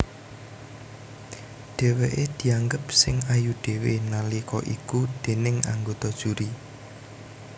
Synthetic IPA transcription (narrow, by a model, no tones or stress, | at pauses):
ɖ̥e̤weʔed̪̥i̤aŋɡəpsɪŋajuɖ̥e̤wenalikɔʔikud̥e̤nɪŋa̰ŋɡot̪ɔd̥ʒ̥uɾi